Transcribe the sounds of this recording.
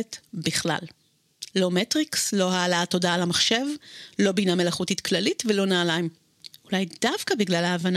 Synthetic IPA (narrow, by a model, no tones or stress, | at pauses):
etbiχla̰l | lo̞metʁikslo̞haːlato̞daːlamaχʃe̞vlo̞biname̞laχutitklalitvelo̞naːlaim | ulajdavkabiɡlalaːvan